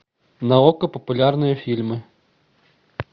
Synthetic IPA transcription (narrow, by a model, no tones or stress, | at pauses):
nɐɔkɐpɔpulʲarnɔjɐfʲilʲmɪ